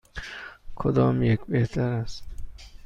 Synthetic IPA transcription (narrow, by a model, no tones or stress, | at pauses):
kʰod̪ɒːmjekbeht̪ʰaɾast̪